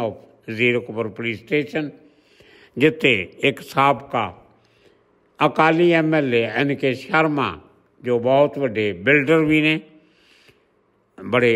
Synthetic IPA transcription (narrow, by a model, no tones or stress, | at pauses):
ɔːpʰ | ziːɾokʊpəɾpoliːsʈeːʃən | d͡ʒɪt̪ʰːeːɪksaːbkaː | əkaːliːɛːmɛːleɪnkeːʃəɾmã̰ː | d͡ʒoːbɔːt̪ʋəɖeːbɪlɖəɾbʱiːneː | bəɽeː